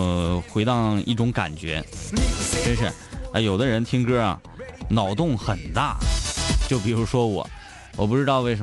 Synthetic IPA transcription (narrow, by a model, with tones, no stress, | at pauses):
xwe˧˥ɪt̪ɑ˥˧i˥˩ʈ͡ʂʊ˧˥ŋka̰˨˩nt͡ɕɥɛ̰˧˥ | ʈ͡ʂə˥nʂɻ̩˥˩ | a˧jo˨˩ʊd̪ə˦ɻə˧˥nt̪ʰi˥ŋkɤ˥ɐ̰˩ | nɑ˨˩ʊt̪ʊ˥˩ŋxə˨˩nt̪a̰˥˩t͡ɕjo˥˩ʊp̬i˨˩ɻu˧˥ʂwɔ˥wɔ̰˨˩˦ | wɔ˨˩p̬u˥˩ʈ͡ʂɻ̩˥t̪ɑ˥˧ʊwe˥˩ɪʂə˧˥